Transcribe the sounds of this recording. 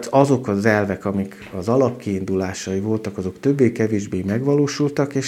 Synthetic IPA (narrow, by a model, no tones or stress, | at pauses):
t̪ɒzo̞kɒzɛlvɛkɒmik | ɒzɒlɒpkiːnd̪ulaːʃɒivo̞lt̪ɒkɒzo̞kt̪ø̞bːeːkɛveːʒbeːmɛɡʋɒloːʃult̪ɒkeːʃ